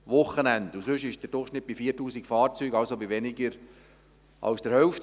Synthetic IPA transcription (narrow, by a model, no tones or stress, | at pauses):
ʋʊχənændusʏʃɪʃd̥əɾd̥ʊχʃnɪt̚b̥ifiːtuːsikfɑːɾt͡syːɡɑlsobiʋɛnɪɡəɾ | ʔɑ̰lsd̥əɾhœʊft